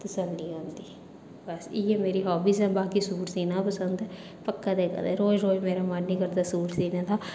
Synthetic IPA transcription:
t̪əsənliːõːnd̪iː | bəsiːeːmeːɾiːɦɔːbiːsɛ̃ːbaːkiːsuːʈsiːnãːpəsənd̪ | pəkːad̪eːka̰d̪eːɾoːd͡ʒɾoːd͡ʒmeːɾamaɾnĩːkəɾd̪aːsuːʈsiːnãːt̪aː

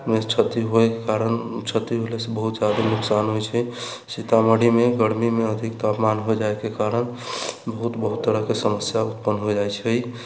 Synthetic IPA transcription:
met͡ʃʰət̪iɦokekaɾənt͡ʃʰət̪iɦolɛsebəɦut̪d͡ʒad̪anuksanɦojt͡ʃʰɛ | sit̪aməɽimeɡəɽmimeəd̪ʱikt̪apmanɦojd͡ʒaekekaɾəɳbəɦut̪bəɦut̪ːəɾəɦkesəməsjaut̪pənːɦod͡ʒajt͡ʃʰɛj

